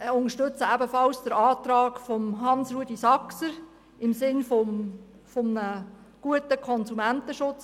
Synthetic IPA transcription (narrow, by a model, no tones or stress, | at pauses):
ʊnəʃtʏt͡səæbəfɑlsd̥əɾɑːt̪ɾɑːkfɔmɦɑnsɾuəd̥isɑksəɾ | ɪmsɪnfɔ | fɔmnə | ɡ̥uətəkʰɔnsumæntəʃʊt͡s